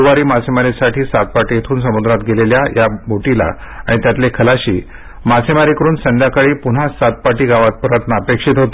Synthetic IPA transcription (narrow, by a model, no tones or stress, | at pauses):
ʋaɾiːmasemaɾisaʈʰiːsat̪̚paʈijet̪ʰuːnsəmud̪ɾat̪ɡeleljajabʱoʈila̰ | a̰ɽit̪jat̪lekʰəlaɕḭː | masemaɾikəɾuːnsə̃nd̪ʱjakaɭiːpun̤asat̪̚paʈiːɡaʋat̪̚pəɾət̪naəpekʂit̪ɦot̪